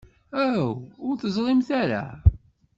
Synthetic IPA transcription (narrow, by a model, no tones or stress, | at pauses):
æwʊɾθəzˤlˤɪmθæɾa̰